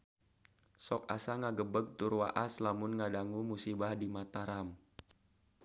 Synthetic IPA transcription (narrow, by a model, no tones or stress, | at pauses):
sɔk̚a̰saŋaɡəbəɡ̚t̪uɾwa̰ʔaslamʊnŋadaŋumusibahdimat̪aɾam